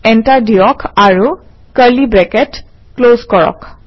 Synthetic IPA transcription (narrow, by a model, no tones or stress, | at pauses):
ɛntaɹdijɔkʰaɹu | kəɹlibɹɛkɛt | klozkɔɹɔ̰k